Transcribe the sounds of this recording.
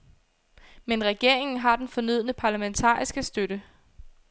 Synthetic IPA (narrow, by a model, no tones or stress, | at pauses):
menʁɛɡ̥e̝ɐ̰e̝ŋn̩ɦɑ̈d̥enfɒ̽nyð̞̰ˠnəpʰɑ̈ːlæment͡sʰɑ̰̈ːisɡ̥əsd̥øɾə